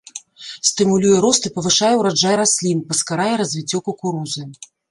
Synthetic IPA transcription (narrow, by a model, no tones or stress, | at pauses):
sʲt̪ɨmulʲujɛɾɔst̪ɨpɐvɨʂajɛwɾad͡ʐajɾasʲlʲinpɐskaɾajɛɾɐzʲvʲit͡sʲːɔkɐkuɾuzɨ